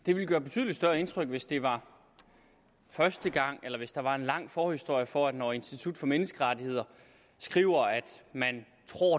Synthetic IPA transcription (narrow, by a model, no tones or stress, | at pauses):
d̥e̝ʋiləɡ̥ɶːɐb̥e̝t͡sʰyðˠlid̥sd̥ɶɐe̝nt͡sʰʁœɡ̥ʋe̝sd̥e̝ʋɑ̈ | fɶɐsd̥əɡ̥ɑ̈ŋ̰elɐʋe̝sd̥ɑ̈ʋɑ̈e̝nlɑ̈ŋ̰fɒːhisd̥o̝ɐ̰jəfɒæd̥nɒːe̝nsd̥it͡sʰud̥fɒ̽menəsɡ̥əʁɑ̈t͡sihe̝ð̞̰ˠɐ | sɡ̥ʁḭːʊɐæd̥mæn | t͡sʰʁo̝̰